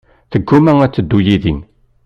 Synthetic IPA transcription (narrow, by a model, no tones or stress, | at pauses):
θəɡːumæŋæt͡sːəd̪ːujiðin